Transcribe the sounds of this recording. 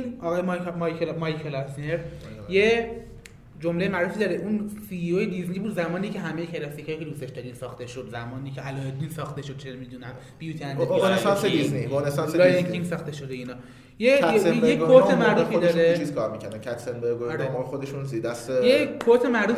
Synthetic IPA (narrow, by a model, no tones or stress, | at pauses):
inɒɣɒːjemɒjkʰelmɒjkʰelɒsneɾje | d͡ʒomlejemæɾuːfiːd̪ɒːɾeʔunsiiojed̪izniːbuːd̪zæmɒːniːcʰe̞ɦæmejekʰe̞lɒsikʰɒːjkʰeluseʃd̪ɒd̪iːnsɒːxt̪e̞ʃod̪zæmɒːniːcʰeælɒːed̪iːnsɒːxt̪eʃod̪̚t͡ʃʰenmid̪unæm | b̥ijut̪ʰændeneɒssed̪izniɡonesɒːnselːjenk̪ʰʲiŋɡsɒːxt̪e̞ʃo̞d̪einɒː | jeejeot̪ʰemæɾuːfid̪ɒːɾet͡ʃizkʰɒːɾmiːcʰæɾd̪æncʲʰæt̪senbeɾɡoɾæmɒːmxod̪eʃunzid̪æsejekʰot̪ʰemæɾuː